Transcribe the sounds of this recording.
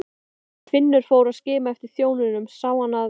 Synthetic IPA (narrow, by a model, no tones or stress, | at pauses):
fɪnːʏɾ̥foːwɾaðscɪːmaɛft̪ɪɾ̥θjoːwnɪnʏmsaːwanːa